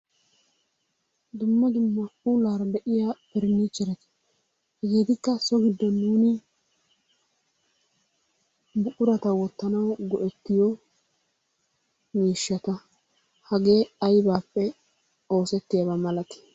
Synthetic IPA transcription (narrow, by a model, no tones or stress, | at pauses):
d̪ʊmːɐd̪ʊmːɐulaːɾɐd̪ɛʔɪjapɛɾɪnit͡ʃːɛɾɛt̪ɪ̥ | hɛɡiːt̪ɪkːɐsɔɡɪd̪ːɔnːuːnɪ | bʊʔʊɾɐt̪ɐwɔt̪ːɐnɐwɡɔʔɛt̪ːɪjɔ | miːʃːɐt̪ɐ | hɐɡe̞ːɐjbaːpːɛ | o̞ːsɛt̪ːɪjɐβɐmɐlɐt̪ɪ̥